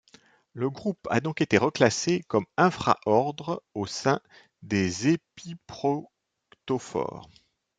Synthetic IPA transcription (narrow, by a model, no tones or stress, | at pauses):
ləɡʁupa̰d̪ɔ̃ket̪eʁəklasekɔmɛ̃fχa̰ʔɔʁd̪ʁosɛ̃ | d̪ezepipχɔ | kt̪ofɔ̰ːʁ